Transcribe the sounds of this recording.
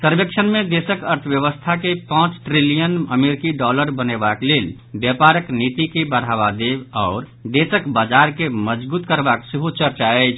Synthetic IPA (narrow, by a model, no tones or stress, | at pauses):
səɾbekt͡ʃʰənmed̪esəkəɾt̪ʰəbjəβəst̪ʰakepãt͡ʃʈɾilijənəmeɾkiɖɔləɾbənebaklel | bjəpaɾəknit̪ikebəɾ̤aβad̪ebɔʊɾ | d̪esəkbad͡ʒaɾkeməd͡ʒbut̪kəɾbaksəɦot͡ʃəɾt͡ʃaəjt͡ʃʰ